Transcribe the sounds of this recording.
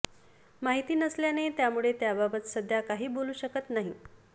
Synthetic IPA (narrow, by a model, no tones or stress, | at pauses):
maɦit̪iːnəsljanet̪jamuɭet̪jababət̪səd̪ʱjakaɦiːboluːɕəkət̪naɦi